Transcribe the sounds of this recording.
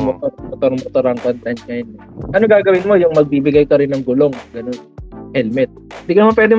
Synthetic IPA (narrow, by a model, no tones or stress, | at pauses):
mot̪oɾɐmot̪oɾmot̪oɾʔɐŋkont̪ɛnsŋɐjonɛʔɐnoŋɡaːɡɐwɪnmo̞jʊŋmɐɡ̚biːbɪɡajkɐɾɪnːɐŋɡʊlo̞ŋɡɐnonhɛlmɛt̪̚ɪnd̪ikɐnmɐpwɛːd̪ɪ